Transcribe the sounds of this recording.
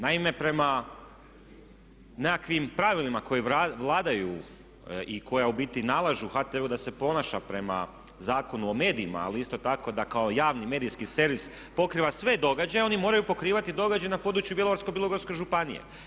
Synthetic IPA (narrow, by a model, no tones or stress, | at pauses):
naime̞pɾe̞ma | nekakʋimpɾaʋilimako̞jiaʋlˠaːd̪aju | iko̞jaubit̪inalˠaʒuxaːt̪eeud̪ase̞po̞naʃapɾe̞ma̰ | zaːko̞nuo̞me̞ːd̪iima̰a̰liist̪o̞t̪ako̞d̪akao̞jaːʋnime̞ːd̪ijskise̞ɾʋis | po̞kɾiːʋasʋe̞d̪o̞ɡad͡ʑajo̞nimo̞ːɾajupo̞kɾiːʋat̪id̪o̞ɡad͡ʑajenapo̞ːd̪ɾut͡ʃjubjeloaɾskobjelˠoɡoɾskeʒupanḭjḛ